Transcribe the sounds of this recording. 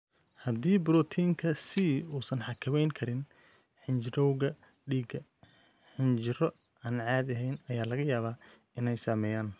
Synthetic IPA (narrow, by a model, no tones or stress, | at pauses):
hɐd̪iːbʊɾɔːt̪ʰiːŋkʰɐsiːuːsɐnħɑkʰɐmɛjŋkʰɐɾɪn | ħɪnt͡ʃɪɾɔwɣɐ | ɖiːɡɐ | ħɪnt͡ʃɪɾɔ | aːnʕɑːd̪ɐɦɛjnɐjaːlɐɣɐjaːβaː | ɪnɛjsaːmɛːjaːn